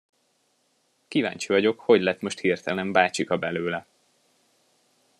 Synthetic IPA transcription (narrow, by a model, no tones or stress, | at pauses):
kiva̰ːɲt͡ʃivɒɟo̞kho̞ɟlɛt̪mo̞ʃt̪hirt̪ɛlɛmbaːt͡ʃikɒbɛløːlɛ